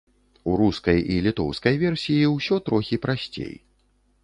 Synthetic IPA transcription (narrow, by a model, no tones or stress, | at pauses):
uɾuskɐjilʲit̪ɔ̰wskɐjvʲɛrsʲijiwsʲɔt̪ɾɔxʲipɾasʲt͡sʲḛj